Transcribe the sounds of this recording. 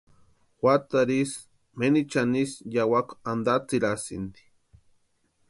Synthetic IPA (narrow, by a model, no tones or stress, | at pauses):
xwʷat̪aɾis | menit͡ʃanisjawakʷand̪at͡siɾasḭnd̪i̥